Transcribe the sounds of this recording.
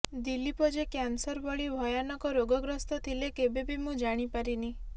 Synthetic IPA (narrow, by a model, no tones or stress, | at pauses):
d̪ilːipɔd͡ʒekjansɔɾbɔɭibʱɔjanɔkɔɾoɡɔɡɾɔst̪ɔt̪ʰilekebebimũd͡ʒaɽ̃ipaɾini